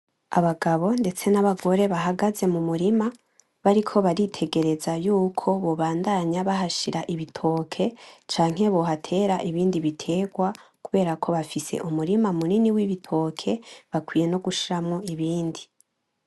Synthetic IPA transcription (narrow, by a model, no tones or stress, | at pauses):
aβaɡaβo̞nde̞t͡se̞naβaɡo̞ɾe̞βaɦaɡaze̞mumuɾima | βaɾikʰo̞βaɾitʰe̞ɡe̞ɾe̞zajuːkʰo̞βo̞βaːndaɲaβaɦaʃiɾaʔiβitʰo̞ːkʰe̞t͡ʃaːŋ̥he̞βo̞ɦatʰe̞ːɾaʔiβiːndiβitʰe̞ɡwakuβe̞ːɾakʰo̞βafise̞̰ʔumuɾimamuniniwiβitʰo̞ːkʰe̞βakwiːje̞no̞ɡuʃiɾamŋo̞iβiːndi